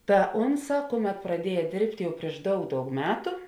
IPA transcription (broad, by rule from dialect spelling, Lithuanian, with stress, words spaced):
tɐ ˈʊnˌsɑː ˈkʊˌmʲɛt prɐˈdʲiɛjɛ ˈdʲeːrʲpʲtʲ ˈjɛʊ pʲrʲiɛʃ ˈdɐʊk ˈdɐʊk ˈmʲæːtʊ